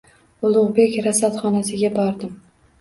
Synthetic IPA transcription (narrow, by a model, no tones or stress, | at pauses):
ʊlˠʊʁbe̞kʲɾasat̪χɒnasɪɡʲabɒɾd̪ɪm